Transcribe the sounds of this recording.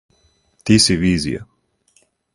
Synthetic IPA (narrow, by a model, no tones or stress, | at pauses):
t̪isiviːzḭja̰